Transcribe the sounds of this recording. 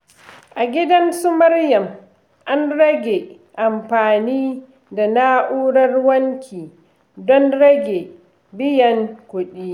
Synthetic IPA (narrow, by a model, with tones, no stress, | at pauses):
ʔa˨ɡʲɪ˦dɐ˦nsu˦mɐ˦rjɐ˨m | ʔa˦nɾɐ˦ɡʲe˨ | ʔa˨mɸaː˨niː˦ | da˨naː˦ʔuː˦ɽɐ˦rwɐ˦ŋkʲʰiː˨ | dɔ˦nɽɐ˦ɡʲe˨ | bɪ˦jɐ˨ŋkʷʊ˦ɗiː˦